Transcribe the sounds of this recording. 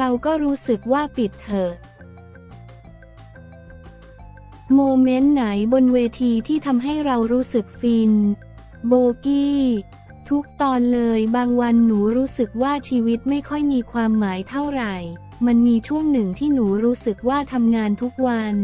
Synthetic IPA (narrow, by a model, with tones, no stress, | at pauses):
ɾa˧wkɔː˥˩ɾuː˦˥sɯ˨˩k̚waː˥˩pi˨˩t̪̚t̪ʰːɤː˨˩t̪̚ | moː˧me˦˥nːa˩˦jbo˧nweː˧t̪ʰiː˧t̪ʰiː˥˩t̪ʰa˧mɦa˥˩jɾa˧wɾuː˦˥sɯ˨˩k̚fiː˧n | boː˧kiː˥˩ | t̪ʰu˦˥k̚t̪ɔː˧nlɤː˧jbaː˧ŋwa˧nːuː˩˦ɾuː˦˥sɯ˨˩k̚waː˥˩t͡ɕʰiː˧wi˦˥t̪̚ma˥˩jkʰɔ˥˩jmiː˧kʰwaː˧mːaː˩˦jt̪ʰa˥˩wɾa˨˩j | ma˧nmiː˧t͡ɕʰu˥˩əŋnɯ˨˩ŋt̪ʰiː˥˩nuː˩˦ɾuː˦˥sɯ˨˩k̚waː˥˩t̪ʰa˧mŋaː˧nt̪ʰu˦˥k̚wa˧n